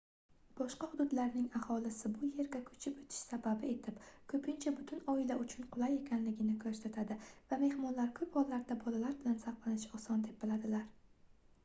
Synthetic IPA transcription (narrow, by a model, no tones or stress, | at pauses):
b̥ɒʃqɑhʊd̪ʊd̪laɾnɪŋahɒlɪsɪbʊje̞ɾɡʲakʰɵ̥t͡ʃʰɪpot̪ʰɪ̥ʃsababɪe̞t̪ʰɪpkʰɵpʰɪnt͡ʃʰabʊt̪ʰʊnɒɪlaʊt͡ʃʰʊnqʰʊlˠaje̞kʲʰanlɪɡʲɪnɪkʰɵɾsat̪ʰad̪ɪvame̞hmɒnlaɾkʰɵphɒlːaɾd̪abɒlalaɾbɪlansɑqlˠanɪʃɒsɒnd̪ep̚bɪlad̪ɪlaɾ